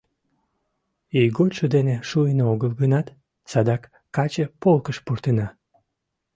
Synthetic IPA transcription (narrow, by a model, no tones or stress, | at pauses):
ijɡot̪ʃod̪eneʃujnooɣəlɡənɑt̪ | sɑd̪ɑkː | ɑt͡ɕepolkəʃpurt̪enɑ